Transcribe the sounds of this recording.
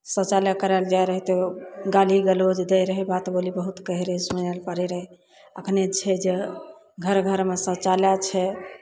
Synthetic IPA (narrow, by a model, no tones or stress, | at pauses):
sə̃t͡ʃaljakəɾald͡ʒajɾəɦit̪eɡaliɡəlod͡ʒd̪ejɾəɦɛbat̪bolibəɦut̪kəɦɾəɦsunalpəɾɛɾəɦɛ | əkʰnet͡ʃʰɛd͡ʒe | ɡʱəɾɡʱəɾmesə̃t͡ʃaljat͡ʃʰɛ